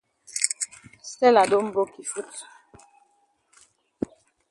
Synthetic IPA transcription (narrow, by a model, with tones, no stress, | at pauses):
sɛ˦la˨do˦m̩˦bo˦ki˨fu˦t